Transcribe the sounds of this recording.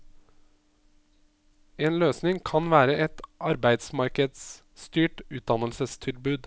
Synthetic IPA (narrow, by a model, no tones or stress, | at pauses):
eːnløːsnɪŋkʰɑnʋæːɾəɛt̪ʔɑɾbæɪd̪smɑɾkəd̪s | st̪yːʈʉːt̪̚d̪ɑnəlsəst̪ʰɪlbʉːd̪